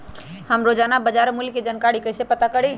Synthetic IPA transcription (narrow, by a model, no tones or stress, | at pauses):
həmɾod͡ʒanabəd͡ʒaɾmulked͡ʒənkaɽikəɪsepət̪akəɽi